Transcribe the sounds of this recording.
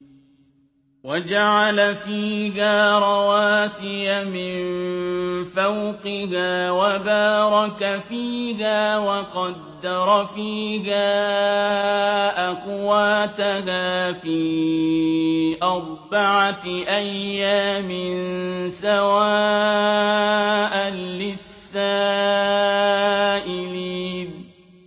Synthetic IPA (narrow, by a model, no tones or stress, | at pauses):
wad͡ʒaʕalafiːɡaːɾˤɑwaːsɪjamɪn | fawqɪhaːwabaːɾˤɑkafiːɦaːwɑqɑd̪ːɑɾˤfiːɦaː | ʔaqʊwaːt̪aɦaːfiː | ʔɑɾˤbaʕaʔajːaːmɪnsawaː | ʔalɪsːaː | ʔɪliːn